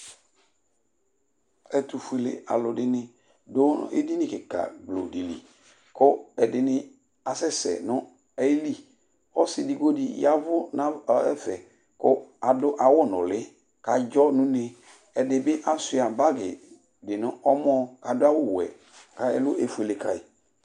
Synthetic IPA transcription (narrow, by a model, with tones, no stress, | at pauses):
ɛ˨tu˨fu˦˨e˨lḛ˨a̰˨lʊ˨dɪ˦nɪ˦ | dʊ̰˦ɪ̰˦di˦nɪ̃˦kɪ˨ka̰˨ɡ͡blo̰˨di˨lḭ˨ | kʊ˦ɛ˨dɪ˨nɪ˦ | a˨sɛ˦sɛ̰˨nʊ˦ | ɛ˦li˦ | ɔ˦sɪ˨di˨ɡo˦di˨ja˦vʊ˦na˦˨ɛ̰˦fɛ˨ | kʊ̰˦a˨dʊ˦ʔa˨wʊ˦˨nʊ̰˨lɪ˦ | ka˨d͡ʒɔ˦nʊ̃˦nɪ˨ | ɛ˨dɪ˨bɪ˦ʔa˦sʊ˦a˨ba˦ɡɪ̰˨ | dɪ˨nʊ˦ʔɔ˦mɔ˦ka˨dʊ˦a˦wʊ˦˨wɛ̰˨ | ka˨ɛ˨lʊ˦ʔe˨fu˦˨e˨le˨ka̰˨ɪ˨